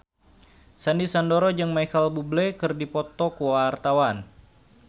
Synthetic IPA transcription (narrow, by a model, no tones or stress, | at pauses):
sandisandoɾɔd͡ʒɨŋmajkalbublɛkɨrdipɔt̪ɔkuwart̪awan